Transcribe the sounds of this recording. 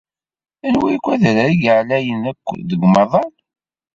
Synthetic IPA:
ænwikʷːæðɾəɾiɡʕlæjənækʷːðəɡməɾðˤɑl

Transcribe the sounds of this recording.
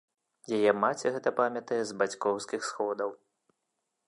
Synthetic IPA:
jajɛmat͡sʲɛɣɛt̪ɐpamʲjɐt̪ɐjɛzbat͡sʲkɔwskʲixsxɔd̪ɐw

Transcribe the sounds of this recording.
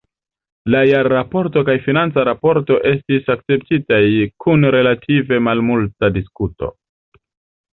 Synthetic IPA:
lajaɾːapo̞ɾto̞kajfinant͡saɾapo̞ɾto̞ʔe̞stisak̚t͡se̞ptitajkʰunɾe̞latʰive̞malmultadiskuto̞̰

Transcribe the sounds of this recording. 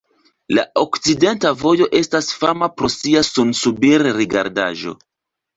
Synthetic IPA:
la̰okt͡side̞ntavo̞jo̞ʔe̞stasfamapɾo̞siasunsubiɾːiɡa̰ɾda̰ʒo̞̰

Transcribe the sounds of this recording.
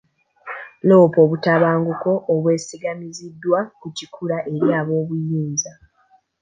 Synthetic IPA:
lo̞ːpo̞ːβutaβaːŋɡuko̞ʔːβwe̞ːsiɡamizidːwakucikʰuɾaʔe̞ɾjaːβo̞ːβujiːnza

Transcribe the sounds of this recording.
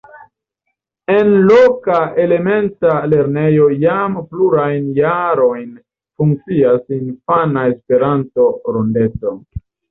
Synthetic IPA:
e̞nlokae̞le̞me̞ntale̞ɾne̞jo̞jampluɾajnjaɾo̞jn | fuŋk̚t͡siasinfanae̞spe̞ɾanto̞ɾonde̞t͡so̞

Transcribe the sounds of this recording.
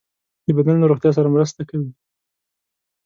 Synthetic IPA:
d̪əbad̪anlaɾoxt̪jɑs̬aɾamɾəst̪akawi

